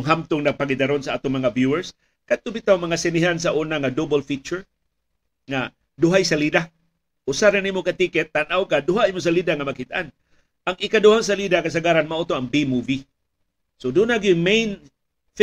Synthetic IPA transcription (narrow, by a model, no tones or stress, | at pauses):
ŋɦamt̪ʊŋnaɡ̚paɡɪd̪aɾonsaʔat̪ʊŋmaŋabjuɛɹs | kat̪ʊbit̪awmɐŋasɪnɪɦans̬aʔunaŋadobolfit͡ʃʊɹ | ŋa | dʊɦajsalid̪a | ʔʊsaɾanimokat̪ikɛt̪ːanʔawkadʊɦaʔimʊs̬alid̪aŋamakit̪aʔan | ʔaŋɪkadʊhaŋs̬alidakas̬aɡaɾanmaʔot̪oaŋbimuvi | sodʊnaɡɪmejn | f